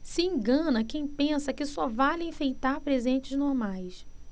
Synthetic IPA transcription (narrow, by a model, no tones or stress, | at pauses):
sɪĩɡɐ̃nɐkẽj̃pẽsɐkɪsɔvalẽfejt̪aɾpɾezẽnt͡ʃɪznoɾmajs